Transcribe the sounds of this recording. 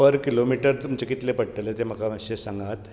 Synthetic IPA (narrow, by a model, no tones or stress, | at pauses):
əɾkilomiʈəɾt̪umt͡ɕekit̪lepəɽʈəlet̪em̤əkaəɕesaŋɡat̪